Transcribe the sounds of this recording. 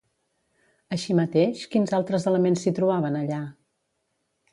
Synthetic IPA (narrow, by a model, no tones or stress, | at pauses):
əʃimət̪eʃkinzalˠt̪ɾəzələmensːit̪ɾuβaβənəʎa